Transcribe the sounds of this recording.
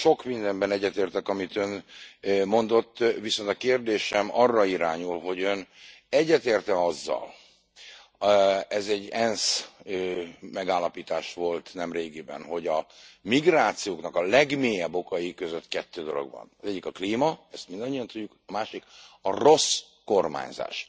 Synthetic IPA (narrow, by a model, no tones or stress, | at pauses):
ʃo̞kmind̪ɛmbɛnɛɟːɛt̪eːrt̪ɛkɒmit̪øn | mo̞nd̪o̞t̪ːʋiso̞nt̪ɒkeːrd̪eːʃɛmɒrːɒiɾaːɲulɦo̞ɟønɛɟːɛt̪eːrt̪ɛɒzːɒ̰l | ɛzɛɟːɛnsømɛɡaːlːɒpiːt̪aːʃʋo̞lt̪nɛmreːɡibɛ̰nɦo̞ɟɒmiɡraːt̪sijoːknɒkɒlɛɡmeːjɛbːo̞kɒjikøzøt̪kɛt̪ːøːd̪o̞lo̞̰ɡbɒ̰nɒzɛɟːikɒkliːmɒɛst̪mind̪ɒɲːiɒnt̪uɟːukɒmaːʃikɒro̞s | ko̞rma̰ːɲza̰ːʃ